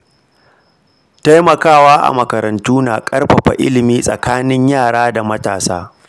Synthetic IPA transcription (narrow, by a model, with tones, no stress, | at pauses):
ta˦jmɐ˨kaː˦˨waː˦ʔa̰˨mɐ˨kɐ˨ɾɐ˨ntuː˦na̰ː˨kʼɐ˦rɸɐ˨ɸa̰˨ʔɪ̰˦lɪ˨miː˦sʼɐ̰˨kaː˦nɪ˦ɲjaː˦˨ɽaː˦da˨mɐ˦ta̰ː˨sa̰ː˦